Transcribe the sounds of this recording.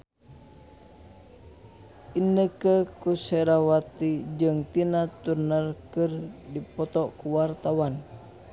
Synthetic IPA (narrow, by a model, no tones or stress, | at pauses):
ʔinəkəkusɛɾawat̪id͡ʒɨŋt̪inat̪urnərkɨrdipɔt̪ɔkuwart̪awan